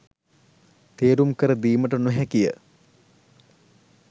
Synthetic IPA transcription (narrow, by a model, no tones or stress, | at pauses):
t̪eːɾumkəɾəd̪iːməʈənoɦɛkijə̰